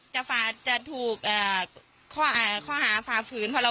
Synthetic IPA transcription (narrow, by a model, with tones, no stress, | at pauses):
t͡ɕa˧˩faː˧˩t͡ɕa˧˩t̪ʰuː˨˩k̚ʔɤː˨˩ | kʰɔː˥˩ʔaː˧˩kʰɔː˥˩ɦaː˨˩˦faː˧˩pʰɯː˨˦˥npʰɔ˧la˧